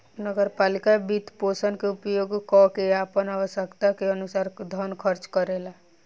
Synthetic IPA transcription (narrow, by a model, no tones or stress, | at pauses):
nəɡəɾpaːlikabit̪posənkeupjoɡkɔkeapənaʋəsəkt̪akeənusaːɾd̪ʱənkʰəɾt͡ʃkəɾela